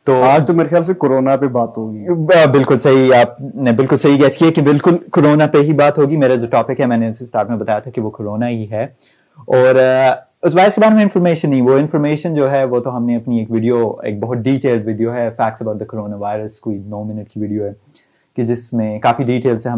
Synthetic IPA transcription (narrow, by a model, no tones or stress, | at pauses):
t̪oːaːd͡ʒt̪omeːɾexejaːls̬ekoɾoːnapebaːt̪ɦoːɡibɪlkʊlsɐɦiaːp̚nebɪlkʊlsɐɦiɡɛskiekibɪlkʊlkoɾoːnapeɦibaːt̪ɦoːɡimeːɾad͡ʒoːʈɔːpɪkɦɛmɛ̃ːneʊsesʈaːɾʈmẽbɐt̪aːjat̪ʰakiʋokoɾoːnaɦiɦɛː | ɔːɾ | ʊsʋaɪɾəskebaːd̪mẽɪ̃nfɔɾmeːʃənːɐɦĩʋoɪ̃nfɔɾmeːʃənd͡ʒoːɦɛʋoːt̪oɦɐmneɐpnieːkʋɪɖijoḛːk̚bɐɦʊt̪̚ɖiːʈeːlɖʋɪɖijoɦɛfɛːk̚sɐbaʊʈ̚d̪əkoɾoːnaʋaːɪɾəskoːinoːmɪnəʈ̚kiʋɪɖijoɦɛː | ked͡ʒɪsmẽkaːfiɖiːʈeːlseɦɐ